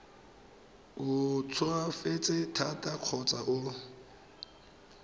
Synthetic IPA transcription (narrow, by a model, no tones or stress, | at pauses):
ʊt͡sʰʊafet͡sʼɪtʰatʼaq͡χʰɔt͡sʼaʔʊ